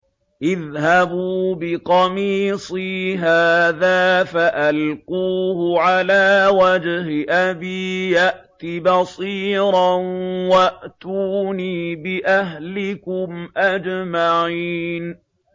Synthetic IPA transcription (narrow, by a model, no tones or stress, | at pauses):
ʔɪðhabuːbɪqɑmiːsˤiːɦaːðaːfaʔalquːhʊʕalaːwad͡ʒhɪʔabiːjaʔt̪ibɑsˤiːɾˤɑnwaʔt̪uːniːbɪʔaɦlɪkʊmʔad͡ʒmaʕiːn